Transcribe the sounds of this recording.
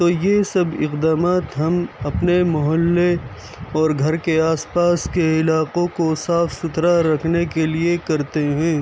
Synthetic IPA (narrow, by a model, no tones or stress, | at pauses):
t̪oːjesɐbɪ̰qd̪aːmaːt̪ɦɐmɐpnemʊɦəlːe | ɔːɾɡʱɐɾkeaːspaːskeɪlaːqõkosaːfsʊt̪ɾaɾɐkʰnekeliekɐɾt̪eɦɛ̃ː